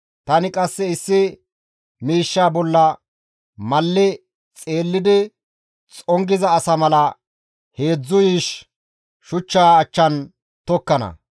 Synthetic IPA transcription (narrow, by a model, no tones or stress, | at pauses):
t̪ɐnɪkʼɐsːɛɪsːɪ | miːʃːaːbɔlːɐ | mɐlːɪ | t͡sʼe̞ːlːɪd̪ɪ | t͡sʼɔŋɡɪzɐːsɐmɐlɐ | he̞ːd͡zːʊjiːʃ | ʃʊt͡ʃːaːt͡ʃːɐn | t̪ɔkːɐnɐ̰